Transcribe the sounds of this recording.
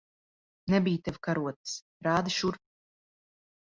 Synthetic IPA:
nɛbijt̪ɛvkaɾuɔt̪s | ɾaːd̪ɨʃuɾ

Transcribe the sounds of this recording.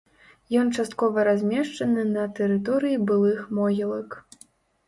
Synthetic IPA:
jɔnt͡ʂast̪̚kɔvɐɾazʲmʲɛʂt͡ʂɐnɨnɐt̪ɛɾɨt̪ɔɾɨjibɨlˠɨxmɔɣʲilˠɐk

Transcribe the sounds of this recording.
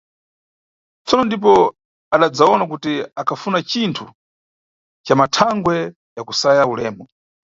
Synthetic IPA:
t͡sɔnɔndip̬ɔ | aɗad͡zaɔnak̬utiakʰafunat͡ʃintʰu | t͡ʃamatʰaŋɡwɛ | jakusajaulɛ̰ːmɔ

